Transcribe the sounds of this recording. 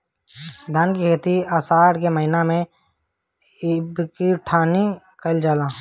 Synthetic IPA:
d̪ʱənkikʰeːt̪iəsaːɽkeməɦɪnamẽ | ɪbkiʈʰaːni | kəld͡ʒaːlãː

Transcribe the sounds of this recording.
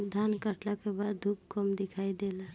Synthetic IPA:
d̪ʱankəʈlakebad̪d̪ʱub̚kɔmd̪ɪkʰaːid̪ela

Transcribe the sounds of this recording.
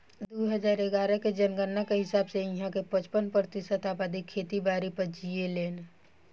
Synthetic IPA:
d̪oɦəd͡ʒaːɾeɡaːɾəked͡ʒənɡənːakeɦɪsaːbseĩɦãkepət͡ʃpənpɾət̪isət̪aːbad̪ikʰːeːt̪ibaːɾipəɾd͡ʒieleːn

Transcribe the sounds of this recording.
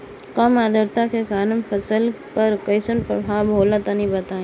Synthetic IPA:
kɐmad̪əɾt̪akekaːnəmpʰɐsəlpɐɾkɐɪsənpɾə̰bʱaːbʱoːlat̪anĩbɐt̪aːẽː

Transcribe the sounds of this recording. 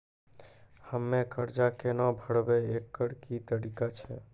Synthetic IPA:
həmːekəɾd͡ʒakenɔ̃bʱəɽbɛekːəɽkit̪əɾikat͡ʃʰɛ̰

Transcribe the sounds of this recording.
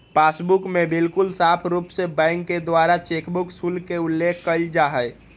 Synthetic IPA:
pasbukmebilkʊlsapʰɾupsebɛ̃ŋkːed̪waɾat͡ʃekbuksulkeulːekʰkəld͡ʒaɦəj

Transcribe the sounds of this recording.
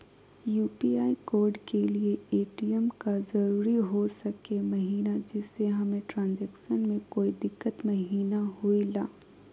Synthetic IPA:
juːpiːaːikoːɾɖkelieeːʈiɛmkazɐɾuːɾiɦosɐkemɐɦiːnad͡ʒɪsːeɦɐmẽʈɾãːnzɛːkʃənmẽkoːid̪ɪkːət̪mɐɦiːnaɦuilaː

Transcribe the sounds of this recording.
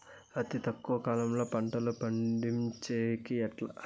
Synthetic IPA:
ɐt̪it̪ɐkːuʋɐkaːlɐmlo̞ːpɐɳʈɐlɐpɐɳɖimt͡ʃeːkiɐʈlɐ

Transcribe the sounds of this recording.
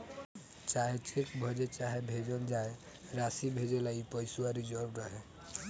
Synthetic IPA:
t͡ʃaɦet͡ʃʰekbʱɔd͡ʒet͡ʃaɦebʱed͡ʒɔld͡ʒae | ɾasibʱed͡ʒelaipɔjsuaɾid͡ʒɔɾbɾɔɦɛ

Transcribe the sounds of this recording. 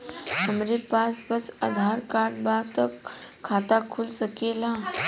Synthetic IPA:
ɦəmɾepaːsbəsə̰d̪ʱaːɾkaːɾɖbaːt̪əkʰː | aːt̪akʰulsəkeːlaː

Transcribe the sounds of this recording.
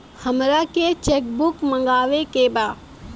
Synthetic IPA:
həmɾaket͡ʃeːk̚bʊkmə̃ŋɡaːʋekebaː

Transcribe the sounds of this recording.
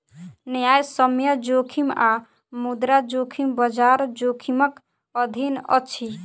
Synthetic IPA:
nəjajsəmjəd͡ʒokʰima | mud̪ɾad͡ʒokʰimbəd͡ʒaɾd͡ʒokʰimək | əd̪ʱinə̰t͡ʃʰi

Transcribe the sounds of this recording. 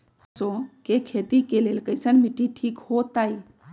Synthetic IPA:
sokekʰet̪ikelelkəɪsənmiʈːiʈʰikhot̪aj

